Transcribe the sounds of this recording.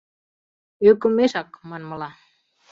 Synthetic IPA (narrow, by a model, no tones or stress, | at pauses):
økə̆mːeʃɑkmɑnmɤlɑ